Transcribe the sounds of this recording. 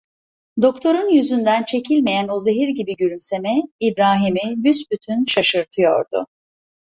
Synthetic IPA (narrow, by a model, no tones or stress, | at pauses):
d̪o̞kt̪ʰo̞ɾunjyzynd̪ænt͡ʃʰe̞cʰilʲme̞jæno̞ze̞ɦiɾɟibiɟyɾymse̞mɛibɾaːɦimibysbyt̪ʰynʃaʃɯɾt̪ʰɯjo̞̰ɾd̪ʊ̰